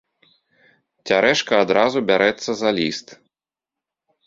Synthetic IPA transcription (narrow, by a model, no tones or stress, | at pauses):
t͡sʲaɾɛʂkɐad̪ɾazubʲaɾʔɛt̪sːɐzɐlʲist̪